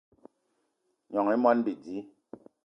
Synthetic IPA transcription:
ɲɔ˨ŋi˦mɔ˦nbi˨di˨˦

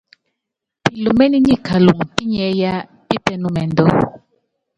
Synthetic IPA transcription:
pi˨lo˨mɛ˦ni˦ɲi˦˨ka˨lu˨mu˨pi˦ɲɛ˨˦ja˦ | pi˦pɛ˦nu˦mɛ˨ndɔ˦

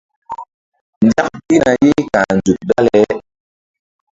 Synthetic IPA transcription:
n˦da˦k̚pi˦na˨je˦ka˨nd͡zu˨k̚ɗa˦lɛ˨˦

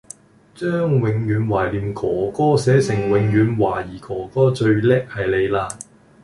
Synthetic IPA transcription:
t͡ʃœː˥ŋwɪ˨˧ŋjyː˨˥nwaː˨˩jliː˨˩mkʰɔː˨˥˩kɔː˥sɛː˨˥sɪ˨˩ŋwɪ˨˧ŋjyː˨˧nwaː˨˩jiː˨˩kɔː˨˥kɔː˥t͡ʃɵ˧ɥlɛː˥k̚hɐ˨jle˨˧jlaː˧

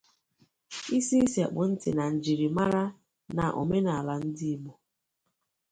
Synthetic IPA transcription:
i˦si˦i˦si˨a̰˨k͡pʊ˨n̩˦tɪ̰˨na˨n̩˨d͡ʒi˨ɾi˨ma˦ɾa˦ | na̰˨ʔʊ̰˨me˦na˨a˨la˨n̩˦dɪ˦i˦bʊ˨

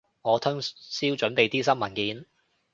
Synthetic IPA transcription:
ŋɔː˨˧t̪ʰʊ˥ŋsiː˥wt͡ʃɵ˨˥npe˨jt̪iː˥sɐ˥mɐ˨˩nkiː˨˧n

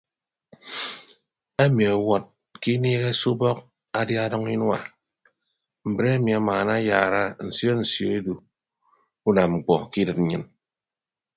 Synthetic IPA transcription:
e˦mi˨a˨wɔ˨t̚ | ki˦neː˦ɣe˦su˦bɔ˦k̚ | a˦dja˦a˦dɔ˦ŋi˦n˦a˨ | m̩˨bɾe˦a˦mi˨a˨maː˨na˦jaː˨ɾa˦n̩˨sjo˦n̩˨sjo˨e˦du˨ | u˦na˨mŋ͡m̩˨k͡pɔ˨ki˦dɨ˨t̚n̩˨ɲɨ˦n

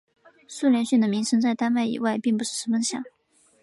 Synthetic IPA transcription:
su˥˧ljɛ˧˥nɕy˥˩nd̪ə˩mi˧˥ŋʂʰə˧˥ŋt͡sa˥˩ɪt̪a˥nwa˥˩ɪḭ˨˩wa˥˩ɪpi˥˩ŋpu˧˥ʂɻ̩˥˩ʂ̩˧˥mə˧˥ŋɕjɑ̰˨˩˦ŋ

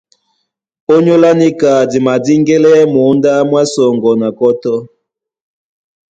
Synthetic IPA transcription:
o˦ɲo˦la˦ni˦ka˨di˨ma˨di˦ŋɡɛ˦lɛ˦mu˨˦nda˦mwa˦sɔ˨ŋɡɔ˨na˨kɔ˦tɔ˦

